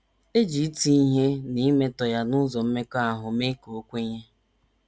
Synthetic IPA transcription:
e˦d͡ʒi˨˦ti˦i˦ɦe˦ni˦me˦tɔ˨ja˦nʊ˦zɔ˨m̩˦me˦ka˦a˦˨ɦʊ˨me˦ko˦kʷe˦ɲe˦

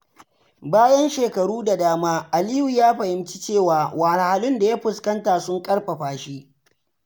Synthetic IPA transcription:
baː˦jɐ˦nʃeː˨kɐ˨ɽuː˦da˨daː˦maː˦ʔa˨liː˦ju˨jaː˦ɸɐ˨hɪ˦mt͡ʃi˦t͡ʃeː˦˨waː˨waː˨na˨ha˨lɪ˦nda˨ja˦ɸʊ˨skɐ˦ntaː˨sʊ˦ŋkʼɐ˦ɽɸɐ˨ɸaː˨ʃi˦ʔ

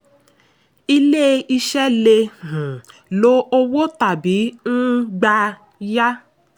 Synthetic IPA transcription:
i˧le˦i˧ʃɛ˦le˧h̩˨lo˦o˧wo˦ta˨bi˨˦ñ̩˦ɡ͡ba˧ | ja˦

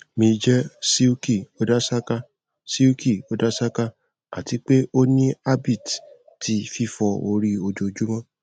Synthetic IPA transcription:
mĩ˧d͡ʒɛ˦si˦u˦ki˦˨o˦da˦sa˦ka˦ | si˦u˦ki˦˨o˦da˦sa˦ka˦ | a̰˦˨ti˨˦k͡pe˦ʔo˦nĩ˦a˦bi˦˨t | ti˧fi˦fɔ˧o˧ɾi˦o˧d͡ʒo˧d͡ʒu˦mã˦

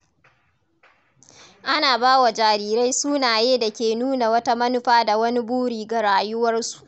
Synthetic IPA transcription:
ʔa˦naː˨baː˦wa˨d͡ʒaː˨ɾiː˨ɾa˦jsuː˦naː˨jeː˦da˨kʲeː˨nuː˦na˨wɐ˦ta˦mɐ˦nʊ˦ɸaː˦da˨wɐ˦ni˦buː˦ɽiː˨ɡa˨ɽaː˨jʊ˦wɐ˦rsu̥˨ʔ

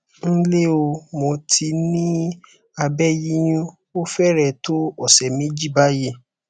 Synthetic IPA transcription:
n̩˦le˦o˧mo˧tʰi˧nĩ˦ | a˧bɛ˦ji˦j̃ũ˦ | o˦fɛ˦ɾɛ˦˨to˦ɔ˨sɛ˨mĩ˨˦d͡ʒi˦˨ba˦je˧

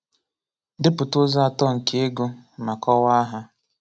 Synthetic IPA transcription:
dɪ˦pʊ˨tʊ˦za˦a˨tɔ˦˨ŋ̩˨ke˦e˦ɡʊ˦ma˨kɔ˦wa˦a˦ɦa˦

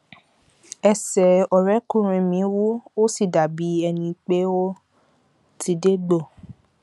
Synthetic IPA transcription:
ɛ˧sɛ˨ɔ˨ɾɛ˨˦kũ˦˨ɾ̃ĩ˧mĩ˨˦wu˦o˦si˦˨da˨bi˨˦ɛ˧nĩ˧k͡pe˦o˦ | ti˨˧de˦ɡ͡bo˦˨

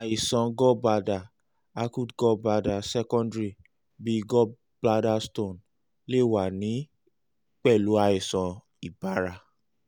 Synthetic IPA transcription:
a˨i˨sɔ̃˧ɡɔ˦ba˧da˨ | a˧ku˦dɡɔ˦ba˧da˨sɛ˦kɔ̃˦ndɾi˧ | bi˦˧ɡɔ˦ | b̥la˦˧da˦stõ˦˨n | le˦˨wa˨nĩ˨˦ | k͡pɛ˦˨lu˨˦a˧i˨sɔ̃˨ | i˨ba˨˦ɾa˧

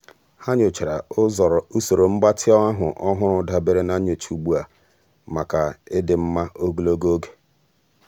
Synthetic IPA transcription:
ha˦ɲʊ˨t͡ʃe˨ɾa̰˨ʊ˦zɔ˨ɾɔ˨u˦so˨ɾo˨m̩˦ɡ͡ba˦tʰɪ˦ɔ˦a˦ɦʊ˨ʔɔ˦ɦʊ˦ɾʊ˦da˨be˦ɾe˦na˦ɲo˨t͡ʃu˨ɡ͡bu˦a˨ | ma˨ka˨ɪ˦dɪ˨m̩˦ma˦ʔo˦ɡu˦lo˦ɡo˦o˦ɡe̥˨

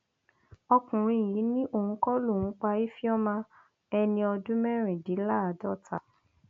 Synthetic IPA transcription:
ɔ˧kũ˨ɾ̃ĩ˧˨i˨˦nĩ˦ʔo˦˨hũ˨˦kɔ˦lũ˦˨˦k͡pa˧i˦fi˦ɔ˦mã˧ | ɛ˧nĩ˧ɔ˧dũ˦mɛ˦ɾ̃ĩ˨di˨˦la˦a˨dɔ˦˨ta˨

